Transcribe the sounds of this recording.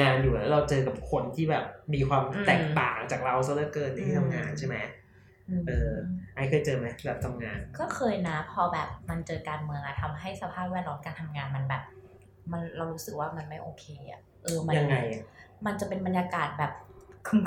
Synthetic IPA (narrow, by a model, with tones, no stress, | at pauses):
aː˧njuː˨˩ʔa˦˥˩ɾa˧wt͡ɕɤː˧ka˨˩p̚kʰo˧nt̪ʰiː˥˩bɛː˨˩p̚miː˧kʰwaː˧mt̪ɛ˨˩ŋt̪aː˨˩ŋt͡ɕaː˨˩k̚ɾa˧wsa˧˦lɤː˧˥˩kɤː˥˩t̪̚na˧˦i˥˩tʰa˧mŋaː˧nt͡ɕʰe˥˩ma˦˥j | ʔɯː˧ʔɤː˧ʔa˧˥jkʰɤː˧jt͡ɕɤː˧ma˦˥jbɛː˨˩p̚t̪ʰa˧mŋaː˧nkɔː˥˩kʰɤː˧jna˦˥pʰɔː˧bɛː˨˩p̚ma˧nt͡ɕɤː˧kaː˧nmɯ˧əŋʔa˨˩t̪ʰa˧mɦa˥˩jsa˧pʰaː˥˩p̚wɛ˥˩lɔː˦˥mkaː˧nt̪ʰa˧mŋaː˧nma˧nbɛː˨˩p̚ | ma˧nɾa˧wɾuː˦˥sɯ˨˩k̚waː˥˩ma˧nma˥˩jʔoː˧kʰeː˧ʔa̰˨˩ | ʔɤː˧ma˧ja˧n˧ŋːa˧jma˧nt͡ɕa˨˩pe˧nba˧njaː˧kaː˨˩t̪̚bɛː˨˩p̚kʰ